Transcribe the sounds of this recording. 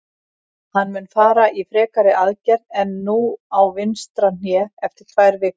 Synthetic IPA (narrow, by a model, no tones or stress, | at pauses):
hanːmʏnfaːɾaʔifɾɛːkaɾɪʔaðcɛɾnɛnːuːawvɪnst̪ɾan̥jɛːɛft̪ɪɾ̥kʰv̥aːjɾvɪk